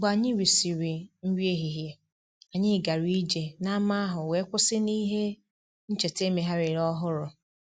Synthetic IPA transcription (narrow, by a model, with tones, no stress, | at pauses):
ɡ͡ba˨ɲɪ˦ɾi˨si˨ɾi˨n̩˦wje˦ɦi˨ɦje˨ | a˨ɲɪ˦˨ɡa˨ɾi˦d͡ʒe˨na˦ma˦a˦ɦʊ˨we˨˦kʷʊ˦sɪ˦ni˦ɦe˦ | n̩˦t͡ʃe˨te˦me˨ɦa˦ɾɪ˨ɾɔ˦ɦʊ˦ɾʊ˨